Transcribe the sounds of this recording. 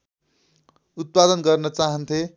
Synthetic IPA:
ut̪̚pad̪ʌnɡʌrnʌt͡saɦʌnt̪ʰe

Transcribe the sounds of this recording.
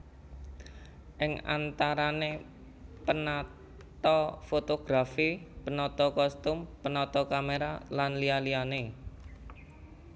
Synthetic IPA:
ʔɪŋa̰nt̪aɾane | pəna | t̪ɔfot̪oɡ̥ɾafipənɔt̪ɔkɔst̪ʊmpənɔt̪ɔkameɾalanlialiane

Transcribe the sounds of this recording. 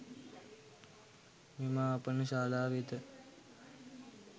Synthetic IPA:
meːmaːapənəʃaːlaːʋit̪ə

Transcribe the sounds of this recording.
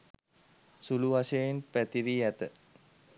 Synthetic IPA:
suluʋasejnpæt̪iɾiæt̪ə

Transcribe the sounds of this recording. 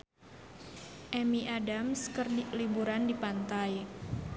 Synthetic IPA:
ʔɛmiʔadamskərlibuɾandipant̪aj

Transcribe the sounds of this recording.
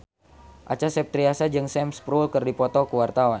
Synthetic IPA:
ʔat͡ʃasɛp̚t̪ɾiasad͡ʒɨŋsɛmspɾulkɨrdipɔt̪ɔkuwart̪awan

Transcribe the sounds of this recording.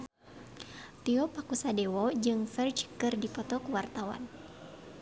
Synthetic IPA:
t̪iɔpakusadɛwɔd͡ʒɨŋfɛrd͡ʒkɨrdipɔt̪ɔkuwart̪awa̰n

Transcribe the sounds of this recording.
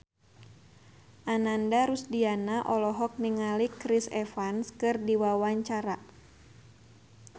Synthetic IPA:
ʔanandaɾusdianaʔɔlɔɦɔk̚niŋalikɾisɛfanskɨrdiwawaɲt͡ʃaɾa

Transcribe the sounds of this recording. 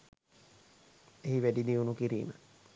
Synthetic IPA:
eɦiʋæɖid̪iunukiɾḭːmə̰

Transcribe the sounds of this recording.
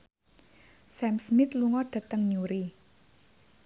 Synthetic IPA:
sɛmsmɪt̪luŋɔɖ̥a̤t̪əŋɲuɾi

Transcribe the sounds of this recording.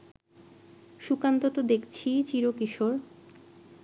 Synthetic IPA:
ʃukant̪ot̪od̪ekt͡ɕʰit͡ɕiɾokiʃoɾ

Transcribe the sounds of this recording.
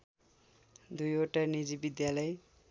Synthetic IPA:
d̪ujoʈanid͡zibid̪jalʌj

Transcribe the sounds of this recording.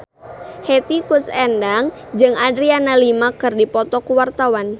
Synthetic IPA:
het̪ikusɛndaŋ | d͡ʒɨŋadɾianalimakɨrdipɔt̪ɔkuwart̪awan

